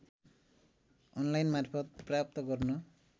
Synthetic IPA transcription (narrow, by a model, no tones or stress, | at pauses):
ɔnlajnmarpʰʌt̪̚prap̚t̪ɔɡʌɾnʌ